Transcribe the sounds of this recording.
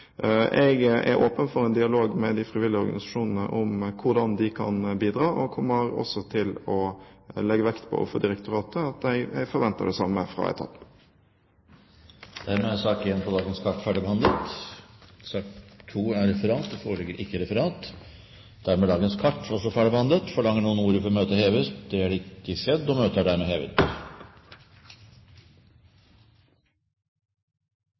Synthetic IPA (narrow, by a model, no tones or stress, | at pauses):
ʔɛɡʔæ̰ɾoːpənfɔɾɛnd̪ɪɑloːɡmɛd̪ɪfɾɪʋɪlːɪəɔɾɡɑnɪsɑʂuːnənə̰ʔʊmkʰʊɾdɑnd̪ɪkʰɑ̰nbiːd̪ɾɑːʔɔkʰɔmːəɾɔ̰sːɔt̪ʰɪlɔlɛɡːəʋɛkt̪pʰɔ̰ʔɔ̰fəd̪ɪɾɛkt̪ʊɾɑːt̪əɑt̪ɛɡɛɡfɔɾʋɛnt̪ə̰ɖɛsɑmːəfɾɑ̰ːɛ̰t̪ʰɑ̰p | d̪̥æɾmɛæsɑːkɪɛnpʰɔd̪ɑːɡənskʰɑʈːfæɖəbɛhɑnd̪lət̪ | sɑːkt̪ʰːuːæɾɛfəɾɑːt̪d̪ɔfoːɾɭɪɡəɾʔɪkːəɾɛfəɾɑːt̪ | d̪̥æɾmɛːd̪ɑːɡənskʰɑʈːɔsɔfæɖəbəhɑnd̪lət̪fɔɭɑŋːəɳuːənuːɾəfɔɾɔmøːt̪əheːʋəst̪d̪ɛæɖɛɪkːəsɛd̪ːɔmøːt̪əæɖæɾmɛheːʋə̰t̪